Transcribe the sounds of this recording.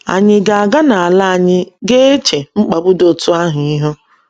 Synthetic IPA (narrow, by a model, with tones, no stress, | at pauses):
a̰˨ɲɪ˦ɡa˨a˨ɡa˦na˨a˨la˦a˨ɲɪ˦ɡe˦e˦t͡ʃe˨ŋ͡m̩˦k͡pa˨bʊ˦do˨tʊ˦a˦ɦʊ˨i˦ɦo˦